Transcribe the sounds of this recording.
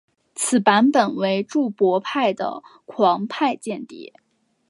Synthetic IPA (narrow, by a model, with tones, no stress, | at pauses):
t͡sʰɹ̩˨˩pa˧˥npə˨˩nwe˧˥ɪʈ͡ʂu˥˩pwɔ˧˥pʰa˥˩ɪd̪ə̰˩kʰwɑ˧˥ŋpʰa˥˧ɪt͡ɕjɛ˥˧nt̪ḭ˥˩